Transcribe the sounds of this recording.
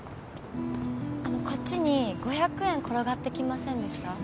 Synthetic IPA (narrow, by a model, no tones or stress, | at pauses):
ano̞ko̞t͡ɕːiɲ̟iɡ̥o̞çakɯ̟ẽ̞ŋko̞ɾoɡat̪ːe̞kʲimasẽ̞nd̪e̞ɕi̥ka